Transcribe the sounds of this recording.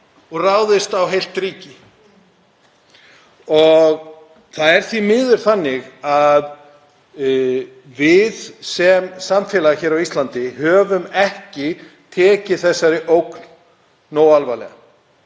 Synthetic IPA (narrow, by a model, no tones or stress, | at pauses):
ɔɣraːwðɪst̪awɦejl̥t̪ɾiːcɪ | ɔɣ | θaðɛɾ̥θvimɪːðʏɾ̥θanːɪɣað | vɪðsɛmsamfɛːlaçɛːɾawist̪lant̪ɪhœːvʏmɛhcɪ | t̪ʰɛːcɪθɛsːaɾɪʔowknː | oːwalvaːjlɛ̰ɣa̰